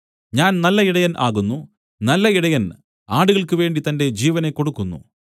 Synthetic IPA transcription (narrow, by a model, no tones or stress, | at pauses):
ɲaːnnɐlːɐiɽɐjɐnʔa̰ːɣunːu | nɐlːɐiɽɐjɐn | aːɽuɣɐɭkɨʋe̞ːɳɖit̪ɐnde̞d͡ʑiːʋɐne̞kːo̞ɽukːunːṵ